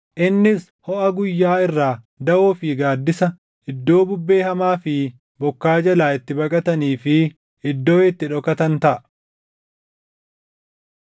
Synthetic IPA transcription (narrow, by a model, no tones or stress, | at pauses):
ʔɪnːɪs | hɔʔɐɡʊjːaːɪrːaː | d̪ɐʔoːfiːɡaːd̪ːɪsɐ | ɪd̪ːo̞ːbʊbːe̞ːhɐmaːfɪ | bɔkːaːd͡ʒɐlaːɪt̪ːɪbɐkʼɐt̪ɐniːfɪ | ɪd̪ːo̞ːɪt̪ːɪᶑɔkɐt̪ɐnt̪ɐʔɐ